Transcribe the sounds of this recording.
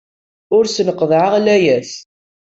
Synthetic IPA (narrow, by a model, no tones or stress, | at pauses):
ʊɾsnəqːəðˤʕəʁlæjæs